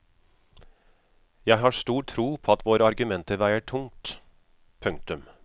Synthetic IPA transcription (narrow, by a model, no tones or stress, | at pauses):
jæɪɦɑːʂt̪uːʈʰːɾuːpʰoːɑt̪ʋoːɾəɑɾɡʉmɛnt̪əʋæɪəʈʰʊŋt̪ | pʰʉŋt̪ʉm